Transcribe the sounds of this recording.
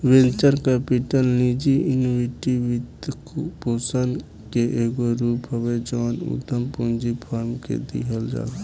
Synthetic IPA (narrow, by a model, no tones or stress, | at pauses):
ʋẽnt͡ʃəɾkɛpiʈəlnid͡ʒiinwiʈiʋit̪kpoːsən | keʔeːɡoɾuːpɦəwed͡ʒɔːnṵd̪ʱəmpund͡ʒipʰaːɾmkḛd̪ḭɦəld͡ʒa̰ː